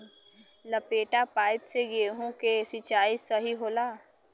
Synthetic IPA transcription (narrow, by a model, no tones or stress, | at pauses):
ləpeːʈapaːɪpseɡeːɦũkesɪt͡ʃaːisəɦiɦoːlaː